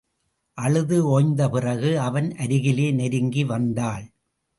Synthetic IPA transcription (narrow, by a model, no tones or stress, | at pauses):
ʔɐɻɯðɯoːjnd̪ɐpɪrɐɣɯɐʋɐnʔɐɾɪɣɪleːnɛɾɯŋɡiʋɐnd̪aːɭ